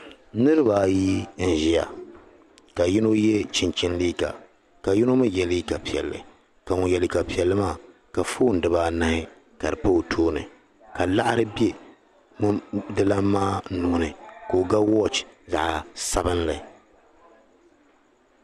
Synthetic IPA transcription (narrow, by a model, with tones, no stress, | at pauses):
nɨ˦ɾɨ˦ba˨ji˦n̩˨ʒi˦ja̰˨ | ka˨ji˦no˦jɛ˦t͡ʃɪ˨nt͡ʃɪ˦nliː˦ka̰˨ | ka˨ji˦no˦ma˦jɛ˨li˦ka˨pi˨ɛ̰˨lːɨ̰˨ | ka˨ŋʊ˨jɛ˨li˨ka˨pi˨ɛ˨lːɨ˦maː˦˨ | ka˨foː˦˨n˨dɨ˨baː˦na˦hɪ˦ | ka˨ɾɨ˨pa˦˨tʰoː˦nɨ̰˨ | ka˨la˦ʔa˦ɾɨ˦be˦ | m˦dɨ˦la˦mːaː˦nʊ˨nɨ˨ko˨ɡa˦wɔ˦t͡ʃza̰˨ʔa˨sa˦bɨ˦nlɨ˨